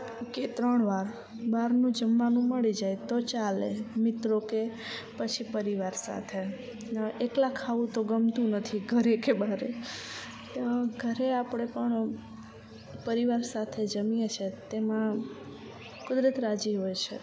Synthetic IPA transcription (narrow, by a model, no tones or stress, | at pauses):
ket̪ɾəɳʋaɾ | baɾnũd͡ʒəmːanũməɭid͡ʒajt̪ot͡ʃalemɪt̪ɾoke | pət͡ʃʰipəɾiʋaɾsa̰t̪ʰe | eklakʰaʋũt̪oɡəmt̪ũnət̪ʰiɡʱəɾekebaɾe | ɡʱəɾeapəɽ̃epəɳ | pəɾiʋaɾsat̪ʰed͡ʒəmijet͡ʃʰet̪emã | kʊd̪ɾət̪ɾad͡ʒiɦojt͡ʃʰḛ